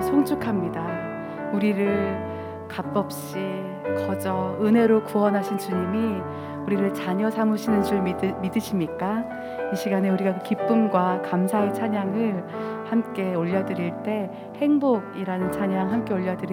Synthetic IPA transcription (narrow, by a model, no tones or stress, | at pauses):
sʰoŋt͡ɕʰukʰamɲida | uɾiɾɯɭ | kap͈ʌp̚ɕ͈i | kʌd͡ʑʌɯnɦe̞ɾokuwʌnɦaɕʰint͡ɕuɲimi | uɾiɾɯɭt͡ɕaɲʌsʰamuɕʰinɯnt͡ɕuɭmidɯɕʰimɲik͈a | iɕʰiɡaneuɾiɡakɯkip͈ɯmɡwakamsʰae̞t͡ɕʰaɲaŋɯɭ | hamk͈e̞oʎːʌdɯɾiɭt͈e̞ | he̞ŋboɡiɾanɯnt͡ɕʰaɲaŋɦamk͈e̞oʎːʌdɯɾi